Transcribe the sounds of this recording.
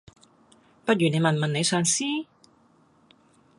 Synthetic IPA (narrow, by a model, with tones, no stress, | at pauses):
pɐ˥t̚jyː˨˩ne˨˧jmɐ˨nmɐ˨ne˨˧jsœː˨˧ŋsiː˥